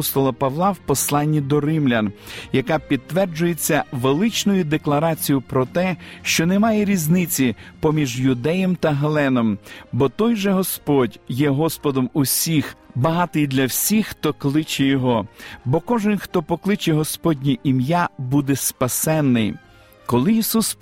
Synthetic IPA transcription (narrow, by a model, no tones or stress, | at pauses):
st̪ɔlˠɐpɐʋlˠɑwpɔslˠɑnʲːid̪ɔrɪmlʲɐnjɐkɑpʲid̪̚t̪ːʋɛrd͡ʒʊjet͡sʲːɐʋelˠɪt͡ʃnʊjʊd̪eklˠɐɾɑt͡sʲijʊpɾɔt̪ɛʃt͡ʃɔnemɑjɛɾʲiznɪt͡sʲipɔmʲiʒjʊd̪ɛjɛmt̪ɐɦɐlˠɛnɔmbɔt̪ɔjʒɛɦɔspɔdʲjɛɦɔspɔd̪ɔmʊsʲixbɐɦɑt̪ɪjd̪lʲɐwsʲixːt̪ɔklˠɪt͡ʃɛjɔɦɔbɔkɔʒɪnxt̪ɔpɔklˠɪt͡ʃɛɦɔspɔdʲnʲiʔimjabud̪ɛspɐsɛnːɪj | kɔlˠɪisus